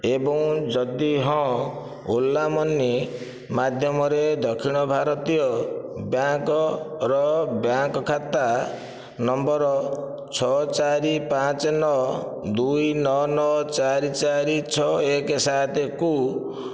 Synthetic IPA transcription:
ebɔŋd͡ʒɔd̪iɦɔ̃ | olːamɔnːi | mad̪ʱjɔmɔɾed̪ɔkʰiɽ̃ɔbʱaɾɔt̪ijɔbjaŋkɔɾɔbjaŋkɔkʰat̪a | nɔmbɔɾɔ | t͡ʃʰɔt͡ʃaɾipãt͡ʃɔnɔ | d̪ujnɔnɔt͡ʃaɾit͡ʃaɾit͡ʃʰɔekɔsat̪eku

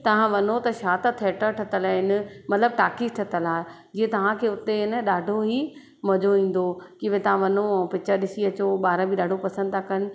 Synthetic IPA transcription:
t̪ɐʋ̤ãʋɐnot̪ɐʃaːt̪ət̪ʰeːʈəɾʈʰɐt̪əlɪn̆mɐt̪ləb̚ʈaːkisʈʰɐt̪əlaːɦe | d͡ʑiːɦẽt̪ɐʋ̤ãkʰeːʊt̪eɪnəɗaːɖʱoɦi | mɐd͡ʑoĩːn̆d̪okɪbẽt̪ɐʋ̤ãʋɐnõpɪt͡ɕəɾɗɪsiɐt͡ɕoɓaːɾəbʱiɗaːɖʱopɐsə̃nd̪t̪ʰakɐnɪ̆

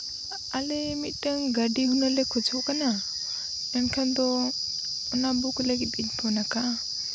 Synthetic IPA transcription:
alɛmit̪̚ˀtəŋɡaɖiɦunalɛkʰɔd͡ʒʰɔʔkana | ɛnkʰand̪ɔ | ɔnabukləɡit̪̚iɲ̚bʰɔnaka

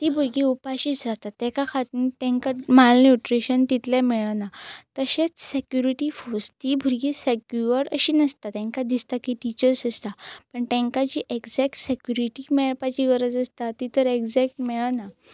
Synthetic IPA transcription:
t̪ibʱuɾɡiupaɕiːsɾaɦt̪at̪ːɛ̃kakʰat̪nit̪ɛ̃ŋkamalnjuʈɾeɕənt̪it̪lɛmɛɭanat̪əɕet͡ssekjuɾiʈifost̪ibʱuɾɡisekjuəɾəɕiːnəst̪at̪ɛ̃ŋkad̪ist̪akiʈit͡ɕəɾsəst̪apəɳʈɛ̃ŋkad͡ʑiʔeɡd͡zɛk̚ʈsekjuɾiʈimeɭpat͡ɕiɡəɾəd͡zəst̪at̪it̪əɾeɡd͡zɛk̚ʈmɛɭana

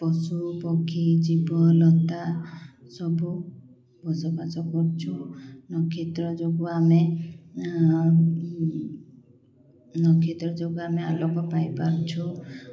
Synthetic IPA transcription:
pɔsupɔkʰid͡ʒibɔlɔt̪asɔbu | bʱɔsɔbasɔkɔɾt͡ʃʰunɔkʰit̪ɾɔd͡ʒoɡuame | nɔkʰit̪ɾɔd͡ʒoɡuamealɔkɔpajpaɾt͡ʃʰɔ

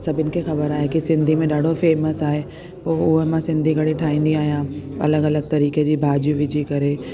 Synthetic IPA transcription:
sɐbʱɪnkʰexɐbəɾaːɦekisɪ̃nd̪ʱimẽɗaːɖʱofeːməsaːɦe | poːʊɦəmãsɪ̃nd̪ʱiɡʱɐɽeʈʰaːĩːn̆d̪iaːɦijãɐ̰ləɡɐləɡ̚t̪ɐɾiːked͡ʑiːbʱaːd͡ʑũʋɪd͡ʑʱikɐɾe

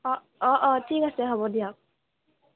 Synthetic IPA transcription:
ɔ | ɔʔɔtʰikasɛɦɔbɔdijak̚

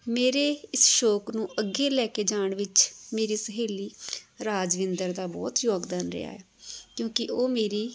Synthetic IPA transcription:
meːɾeːɪsʃoːknũːʔəɡeːlɛːkeːd͡ʒaːɳʋɪt͡ʃmeːɾiːsəɦeːliːɾaːd͡ʒʋɪ̃nd̪əɾd̪aːbɔ̰ːt̪joːɡd̪aːnɾɪ̰a̰ːɛːkjõːkɪʔoːmeːɾiː

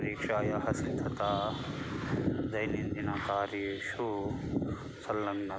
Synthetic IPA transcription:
ɾiːkʂaːjɐɦɐsid̪ʱʰɐt̪aː | d͡ʒɐjnind̪inakaːɾiʃu | sɐlːɐŋnɐ

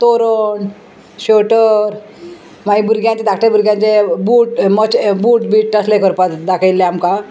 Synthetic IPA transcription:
t̪oɾoɳ | ɕoʈəɾ | maibʱuɾɡjãnt͡ɕed̪akʰʈ̪ebuɾɡjãnt͡sebuːʈmət͡ɕbuːʈbiːʈːəslekəɾpat̪d̪akʰajlːeamka

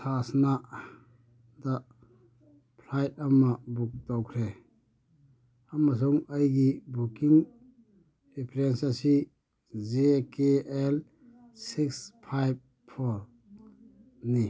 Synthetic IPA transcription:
sasna | da | pʰlajt̚ɐmːɐbuk̚tawkʰɾe | amas̬uŋɐjɡibukiŋ | ipʰɾensasi | zekeel | sikspʰajb̚ | pʰɔɾ | ni

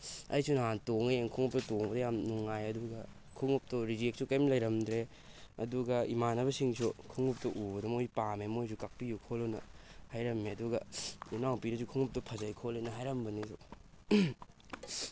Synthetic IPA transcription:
ɐ̰jsunaɦantoŋeeŋkʰuŋup̚tɐtoŋbɐdɐjamnuŋajɐduɡɐ | kʰuŋup̚tɔɾid͡ʒek̚sukɐjmlɐjɾɐmdɾe | ɐduɡɐimanɐbɐsiŋsʰukʰuŋup̚tɐʔubɐdɐmojpamemojs̬ukak̚pijukʰolonɐ̰hajɾɐmeɐduɡɐinawpiɾɐsukʰuŋup̚tɐpʰɐzajkʰolenɐɦajɾɐmbɐnisu

